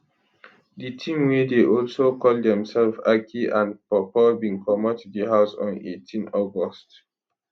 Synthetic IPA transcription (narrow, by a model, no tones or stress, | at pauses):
ditʰĩmwedeʔɔlsokʰɔlddɛ̃msɛlfakʰiʔãnpɔpɔbĩŋkʰɔmətdiɦaʊsɔ̰̃nḛtʰĩnɔɡɔst